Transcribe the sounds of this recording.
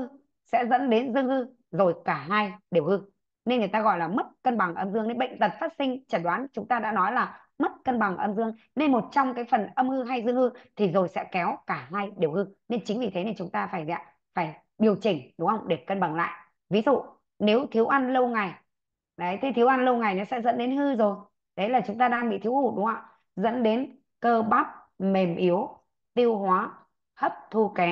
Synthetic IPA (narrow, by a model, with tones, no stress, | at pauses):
sɛ̰˧˥zə̰˧˥nɗe˨˦nzɨ˧əŋhɨ˧ | zo˨˩jkaː˧˩ɦaː˧jɗi˨˩əwhɨ˧ | ne˧nŋɨ˨˩t̪aː˧ɣɔ̰˧˨jlaː˨˩mə˦˥t̚kə˧nɓa˨˩ŋʔə˧mzɨ˧ŋne˨˧nɓə̰˧˨ŋ̟t̪ə˨˩t̚faː˦˥t̚sï˧ŋ̟t͡ɕə˧˩n̚ɗwaː˨˦nt͡ɕʊ˨˦ŋ͡mt̪aː˧ɗa̰ː˧˥nɔ˨˦jlaː˨˩ | mə˦˥t̚kə˧nɓa˨˩ŋʔə˧mzɨ˧əŋ | ne˧nmo˨˩t̚t͡ɕɔ˧wŋ͡mkaː˨˦jfə˨˩nʔə˧mhɨ˧ɦa˧jzɨ˧əŋhɨ˧t̪ʰi˨˩zo˨˩jsɛ̰˧˥kɛ˨˦wkaː˧˩ɦaː˧jɗi˨˩əwhɨ˧ne˧nt͡ɕï˨˦ŋ̟vi˨˩t̪ʰe˨˦ne˧nt͡ɕʊ˨˦ŋ͡mt̪aː˧faː˧˩ja̰˧˥ | faː˧˩j | ɓi˨˩əwt͡ɕï˨˩ŋ̟ɗʊ˨˦ŋ͡mhə˧wŋ͡mɗe˧˨˩kə˧nɓa˨˩ŋla̰ː˧˨j | vi˨˦zṵ˧˨ | ne˨˦wt̪ʰi˨˦əwʔa˧nlə˧wŋa˨˩j | ɗə˨˦jt̪ʰi˨˦t̪i˨˦wʔa˧nlə˧wŋa˨˩jnɔ˨˦sɛ̰˧˥zə̰˧˥nɗe˨˦nhɨ˧zo˨˩j | ɗə˨˦jlaː˨˩t͡ɕʊ˨˦ŋ͡mt̪aː˧ɗaː˧ŋɓḭ˧˨t̪ʰi˨˦whu˧˩ɗʊ˨˦ŋ͡mha˧˩w | zə̰˧˥nɗe˨˦n | kəː˧ɓa˦˥p̚ | me˨˩mʔi˨˦əw | t̪i˧əwhwaː˨˦ | hə˦˥p̚t̪ʰu˧kɛ˨˦